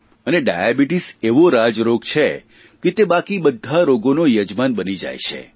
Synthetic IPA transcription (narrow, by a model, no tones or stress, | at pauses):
əneɖa̰jabiʈiseʋoɾad͡ʒɾoɡt͡ʃʰe | ket̪ebakibəd̪ʱaɾoɡonojəd͡ʒmanbənid͡ʒa̰jʃʰḛ